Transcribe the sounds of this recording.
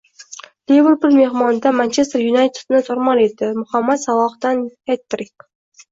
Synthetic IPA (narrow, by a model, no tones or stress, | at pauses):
levəɾpʊɾme̞hmɒnd̪amant͡ʃʰest̪ɾjunajt̪ʰe̥d̪nɪt̪ʰoɾmɒled̪ɪmʊχamːat̪savɒqd̪anhet̪ːɾɪk